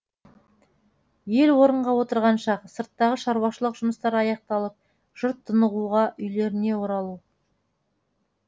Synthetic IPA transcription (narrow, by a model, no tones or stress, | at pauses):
je̞lwo̞ɾəɴʁɑwo̞t̪əɾʁɑnʃɑqsəɾt̪ːɑʁəʃɑɾwɑʃəlˠəqʒ̥ʊməst̪ɑɾɑjɑq̚t̪ɑlˠəp̚ | ʒ̥ʊɾt̪ʰːənəʁuʁɑʔʏjle̞ɾɪne̞wo̞ɾɑlˠu